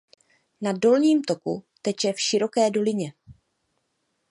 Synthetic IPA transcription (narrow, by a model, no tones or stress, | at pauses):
nado̞lɲiːmt̪o̞kṵt̪ɛt͡ʃɛfʃɪɾo̞kɛːdo̞lɪɲɛ